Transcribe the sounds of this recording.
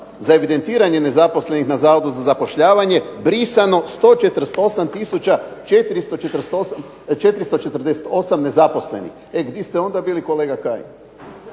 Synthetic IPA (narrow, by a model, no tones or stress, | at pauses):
zae̞ʋid̪e̞nt̪iːɾaɲe̞ne̞zapo̞sle̞nixnazaːʋod̪uzazapo̞ʃʎaːʋaɲe̞bɾisano̞st̪o̞t͡ʃet̪ɾ̩st̪oo̞samt̪isut͡ɕat͡ʃet̪iɾist̪ot͡ʃet̪ɾst̪osa | t͡ʃe̞t̪ɾist̪o̞t͡ʃe̞t̪r̩d̪ese̥t̪o̞samne̞zapo̞sle̞̰nḭx | eɡd̪jest̪eo̞nd̪abiːliko̞leːɡakaːjḭn